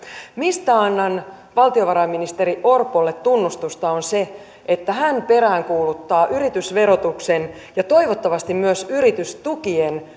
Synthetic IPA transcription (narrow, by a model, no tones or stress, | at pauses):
mist̪æɑnːɑn | ʋɑlt̪io̞ʋɑɾɑminist̪eɾiʔo̞rpolːet̪tunːust̪ust̪ɑonse | ʔet̪ːæɦænpe̞ɾæːŋkuːlut̪ːɑːʔyɾit̪ysʋe̞ɾot̪uksen | jɑt̪o̞iʋot̪ːɑʋɑst̪immyøsyɾit̪yst̪ukien